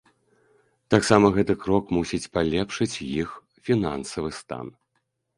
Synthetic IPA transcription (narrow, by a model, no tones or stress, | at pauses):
t̪aksamɐɣɛt̪ɨkɾɔkmusʲit͡sʲpalʲɛpʂɨt͡sʲjix | fʲinansɐvɨst̪a̰n